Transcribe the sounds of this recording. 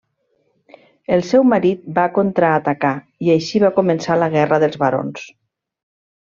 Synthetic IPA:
əlˠsɛwmaɾit̪̚bakont̪ɾaːt̪aka | iajʃiβ̞akumənsaləɣɛrəðəlˠzβaɾo̰ns

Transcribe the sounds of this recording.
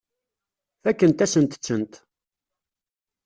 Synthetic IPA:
θækːənt̪æsənt̪ə̥t͡sːənt̪

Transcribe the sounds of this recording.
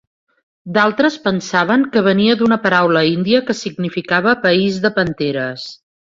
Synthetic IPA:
d̪alˠt̪ɾəspənsaβ̞əŋkəβəniəd̪unəpəɾawləind̪iəkəsiɡnifikaβ̞əpəizðəpənt̪eɾəs

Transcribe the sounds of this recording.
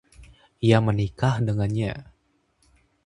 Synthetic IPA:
iamənikahdəŋanɲa

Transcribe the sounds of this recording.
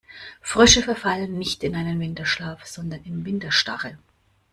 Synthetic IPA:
fʁ̥ʏʃəfɛɐfalənːɪçtɪnʔaɪnənvɪntɐʃlaːfz̥ɔndɐnɪmvɪntɐʃta̰ʁə

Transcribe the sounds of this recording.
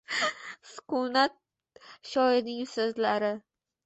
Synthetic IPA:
sʊ̥qʊnat̪̚ | ʃɒɪɾnɪŋsɵzlaɾɪ

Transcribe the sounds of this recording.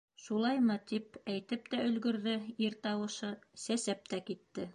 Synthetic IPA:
ʃulˠɑjmɤt̪ipæjt̪ɘp̚t̪æɵ̆lɡɵ̆ɾðɘiɾt̪ɑwɤ̆ʃɤsæsæp̚t̪ækit̪ːɘ

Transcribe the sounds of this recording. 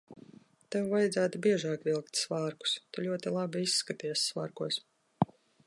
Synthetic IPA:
t̪ewvajd̪zæːt̪ubʲiɛʒɑːkvilˠkt̪svaːɾku̥st̪ulʲuɔt̪ilˠabiisːkat̪iɛsːva̰ːɾkuɔs

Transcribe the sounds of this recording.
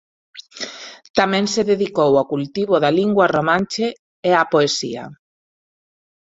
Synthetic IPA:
t̪amɛ̃ŋseðeðikowakult̪iβoðaliŋɡwaromãnt͡ʃe | eapoesḭa̰

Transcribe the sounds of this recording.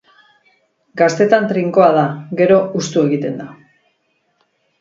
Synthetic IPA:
ɡast̪e̞t̪ant̪ɾiŋko̞að̞aɡe̞ɾo̞ust̪ue̞ɣit̪e̞nd̪a

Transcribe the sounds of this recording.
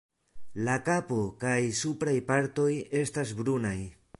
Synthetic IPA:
lakapo̞kajsupɾajpaɾto̞je̞stasbɾunaj

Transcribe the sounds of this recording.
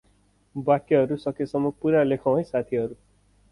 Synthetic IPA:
bakːeɦʌɾusʌkesʌmːʌpuɾalekʰaw̃ẽjsat̪ʰiɦʌɾu

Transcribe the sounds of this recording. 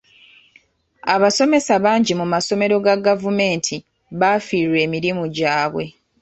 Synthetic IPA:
aβaso̞me̞saβaːɲɟimumaso̞me̞ɾo̞ɡaɡavume̞ːntʰi | βafiːɾwe̞ːmiɾimuɟaːβwe̞̰

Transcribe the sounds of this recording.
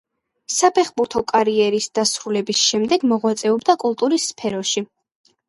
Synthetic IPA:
sapʰɛχbuɾt̪ʰɔkʼaɾiɛɾisd̪̥asɾulɛbisʃɛmd̪ɛɡmɔʁwat̪sʼɛɔbd̪akʼulˠt̪ʼuɾisːpʰɛɾɔʃi

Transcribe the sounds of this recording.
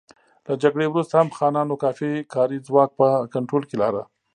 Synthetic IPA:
lad͡ʒaɡɽewɾust̪ahamxɑnɑnokɑfikɑɾid͡zwɑk̚pəkaɳʈɾolkelɑɾa̰

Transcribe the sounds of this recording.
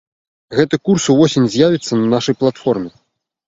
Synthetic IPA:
ɣɛt̪ɨkursuvɔsʲinʲzʲjavʲit̪sːɐnɐnaʂɐjplˠat̪fɔrmʲɛ

